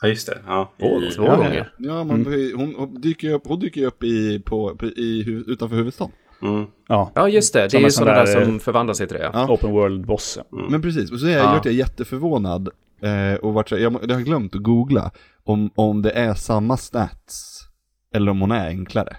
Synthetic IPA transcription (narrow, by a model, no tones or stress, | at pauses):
jɵst̪ɛ̰ɔvoːɡɔŋːə̰jɑːmanhʊnhd̪yːkəɾjɵpːhʊnd̪yːkəɾjɵpːɪpʰɔpʰɪɦʉːvʉ̟ːt̪anfœːɾhʉːvəd̪st̪ɑːn | ɑːjʔɑːjɵst̪ɛd̪ɛɛɾjsɔnad̪æːʂɔmfœɾvand̪lasɛt̪ʰɾḛːa̰ɑːopənwœːld̪̚bɔsə̰mɛnpʰɾɛs̬iːsɔsɔhajvaʈːjajɛt̪ːəfœɾvoːna̰d̪ | ɔvaʈːsɛjɑːd̪ɛhaɾɡlœmt̪ɔɡuːɡla̰ | ɔmɔmd̪ɛʔæʂamːasnæ̰t̪s | ɛlːəɾɔmhʊnæɾɛ̰ŋkʰla̰ɾə̰